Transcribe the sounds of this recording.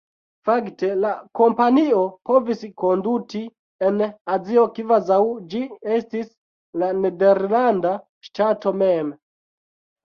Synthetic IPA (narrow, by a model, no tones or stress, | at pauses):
fakte̞lako̞mpaniopo̞visko̞nduti | enazio̞kivazawd͡ʒiestis | lane̞de̞ɾlanda | ʃtato̞mem